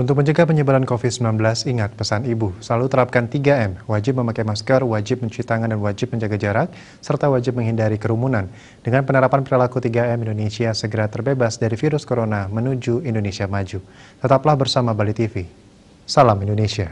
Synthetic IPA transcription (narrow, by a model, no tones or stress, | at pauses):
unt̪ʊk̚məɲd͡ʒəɡapəɲəbuɾankofid̪səmilanbəlasiŋat̪̚pəsanibusəlalut̪əɾap̚kant̪iɡaɛmwad͡ʒɪp̚məmakajmaskərwad͡ʒɪp̚məɲt͡ʃuɾit̪aŋandanwad͡ʒɪp̚məɲd͡ʒaɡad͡ʒaɾak̚ | sərt̪awad͡ʒɪp̚məŋɦindaɾikəɾumunan | d̥əŋanpənaɾapanpɾilakut̪iɡaɛmindonesiasəɡəɾat̪ərbebasdaɾifiɾʊskoɾonamənud͡ʒuindonesiamad͡ʒut̪ət̪aplahbərsamabalit̪ifi | salamindonesia